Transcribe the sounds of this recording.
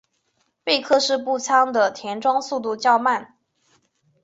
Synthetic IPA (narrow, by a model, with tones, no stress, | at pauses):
pe˥˧ɪkʰɤ˥˧ʂɻ̩˥˧p̬u˥˩t͡sʰɑ˥ŋd̪ə˨t̪ʰjɛ˧˥nʈ͡ʂwɑ˥ŋsu˥˧t̪u˥˧˩t͡ɕjɑ˥˧ʊma˥˩n